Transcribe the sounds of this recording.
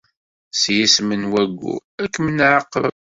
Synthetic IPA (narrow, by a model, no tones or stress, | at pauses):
sjismənwæɡːṵækːmənʕəqːə̰